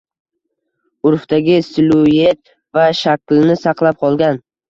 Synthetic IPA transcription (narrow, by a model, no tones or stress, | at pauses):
ʊɾft̪aɡʲɪsɪlujet̪̚ | vaʃakʲlnɪsɑqlˠap̚qʰɒlˠɡʲan